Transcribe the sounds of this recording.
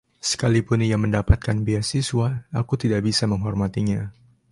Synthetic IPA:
sə̥kalipʊnjaŋməndapat̪̚kanbiasiswaakut̪idaʔbisaməŋɦɔrmat̪iɲa

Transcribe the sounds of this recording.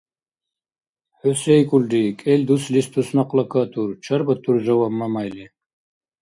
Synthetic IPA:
ħøsɛjkʼuldikʼɛlʲd̪uslist̪ʰusnaqlˠakʰat̪ʰuɾt͡ʃʰaɾbat̪ʰuɾʒawamːamajli

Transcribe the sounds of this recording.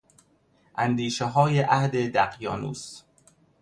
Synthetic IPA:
ʔænd̪iːʃeɦɒːjeʔæhd̪ed̪æqjɒ̰ːnṵːs

